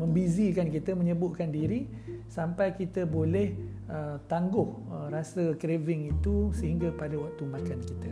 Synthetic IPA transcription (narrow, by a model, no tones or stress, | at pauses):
mə̃mbizikankit̪əmə̃ɲəbʊʔ̪̚kandiɾi | sampajkit̪əbolɛh | ət̪aŋɡʊh | ərasəkɾevɪŋit̪usəɦiŋɡapadawak̚t̪umakankit̪ə